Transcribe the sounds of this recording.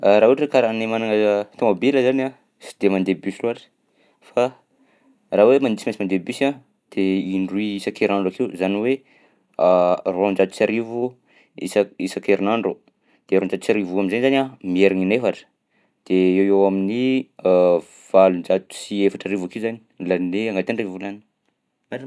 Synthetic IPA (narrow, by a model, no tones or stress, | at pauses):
aɾaɦuʈ͡ʂəkaɾanemanaŋat̪omabeləzana | si̥d̪̥emand̪ebysiloɦaʈ͡ʂə̥ | fa | raːwemand̪isimasimand̪ebysa | d̪̥eiɳɖ͡ʐuiisakeɾinaɳɖ͡ʐakiuzaniwe | arond͡ʒat̪u̥saɾivu | ḭsaisakeɾinaɳɖ͡ʐu | d̪̥eɾond͡ʒat̪saɾivuaminzanizanʲamieɾaninefaʈ͡ʂə̥ | d̪̥eewewamini | v̥alund͡ʒat̪u̥siefaʈ͡ʂaɾivakiuzani̥laneaŋɡat̪eɳrivulani̥ | a